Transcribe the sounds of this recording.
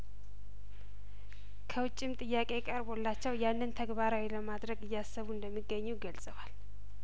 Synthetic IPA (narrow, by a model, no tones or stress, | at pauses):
kʰəwʊt͡ʃʼːɪmt̪ʼɨjːakʼe̞kʼəɾbo̞lːat͡ʃːɛwjanːɨnt̪ʰəɡbaɾawiləmad̪ɾəɡɨjːasːəβuɨnd̪əmːiɡːəɲːuɡəlsʼəwal